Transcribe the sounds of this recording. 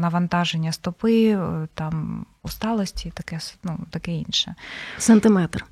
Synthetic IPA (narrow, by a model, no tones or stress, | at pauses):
nɐʋɐnt̪ɑʒenʲːɐst̪ɔpɪt̪ɑm | ust̪ɑlˠɔsʲtʲit̪ɐkɛsnut̪ɐkɛḭnʃɛsɛnt̪ɪmɛt̪r